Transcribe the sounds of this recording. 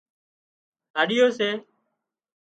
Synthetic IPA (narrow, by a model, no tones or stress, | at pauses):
ɦaːɗɪjoːseː